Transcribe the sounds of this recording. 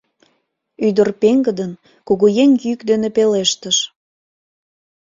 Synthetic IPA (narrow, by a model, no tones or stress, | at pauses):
yd̪ərpeŋɡəd̪ən | koɣojeŋjykd̪enepeleʃt̪əʃ